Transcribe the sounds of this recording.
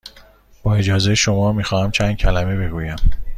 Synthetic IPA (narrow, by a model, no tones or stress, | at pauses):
b̥ɒːe̞d͡ʒɒːzejeʃo̞mɒːmiːxɒːhæmt͡ʃʰænd̪̥̚cʰælæme̞be̞ɡuːjæm